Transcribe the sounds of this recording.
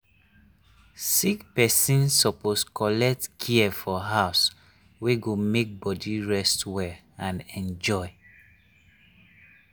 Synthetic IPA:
sikpɛsĩnsɔposkɔlɛk̚tkʰiɛfɔɦaʊs | weɡomek̚bɔdiɹɛstwɛ | ãnɛ̃nd͡ʒɔɪ

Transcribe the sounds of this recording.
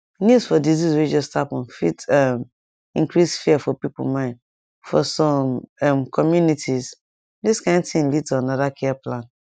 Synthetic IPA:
nusfɔdiziswid͡ʒɔstapɔ̃nfḭtɛm | ḭ̃ŋkɹisfiafɔpipo̰mãɪ̃n | fɔsɔ̃mɛmkʰɔmjunitʰiz | diskãɪ̃ntĩnlid̚tʰuanɔðakʰɛɛplãn

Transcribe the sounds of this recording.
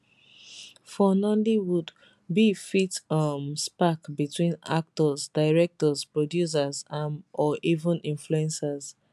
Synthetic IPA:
fɔnɔ̃ndiwud | bifitʌmspakbitʰwĩna̰k̚tɔzdaɪɹɛk̚tɔzpɹɔdjus̬azãnʔɔʔivə̃nĩnfluɛ̃nsaz

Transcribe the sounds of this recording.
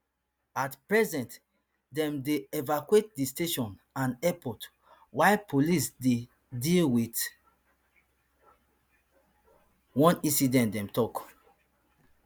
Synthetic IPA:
atpɹɛzɛ̃nt | dɛ̃mdeɛvakwet̚disteʃɔ̃nãnɛpɔt | walpʰolisde | dilwit | wɔ̃nĩsidɛ̃ntdɛ̃mtɔk

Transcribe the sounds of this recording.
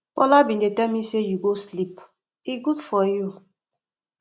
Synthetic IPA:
pɔlabĩndetɛlmisejuɡoslip | iɡudfɔju

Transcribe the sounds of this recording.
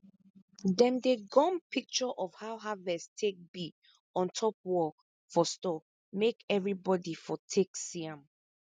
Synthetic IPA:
dɛ̃mdeɡɔ̃mpʰik̚t͡ʃɔʔɔfhaʊɦavɛstʰek̚bi | ɔ̃ntʰɔp̚wɔ | fɔstɔ | mekɛvɹibɔdifɔtʰeksiãm

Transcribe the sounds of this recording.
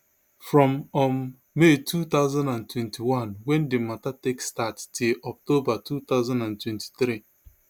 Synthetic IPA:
fɾɔmɔmː | etut̪aʊzãndãntwɛntʰiwãnwɛndɪmatatekstattiʔɔk̚tobatut̪aʊzãndãntwɛ̃nti̥t̪ɾi

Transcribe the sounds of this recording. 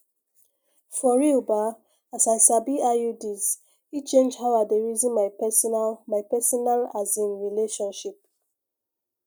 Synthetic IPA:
fɔɹiuba | asaɪsabiajudiz | it͡ʃẽnd͡ʒhawadeɹizĩnmaɪpɛsɔnalmaɪpɛsɔnalazĩnɹileʃɔ̃nʃip̚

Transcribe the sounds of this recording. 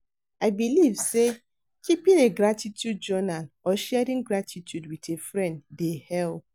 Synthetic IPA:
aɪbilivse | kipɪ̃neɡɾatitjud̚d͡ʒɔnalɔʃɛɾĩŋɡɾatʰitʰjudwitʰefɾɛ̃nddehɛl

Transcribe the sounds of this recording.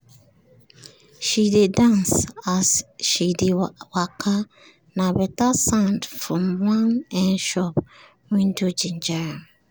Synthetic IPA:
ʃidedãnsasʃidewakʰa | nãbɛtasãndfɹɔ̃mwãnɛ̃nʃɔp | wĩntʰud͡ʒĩnd͡ʒaɹa

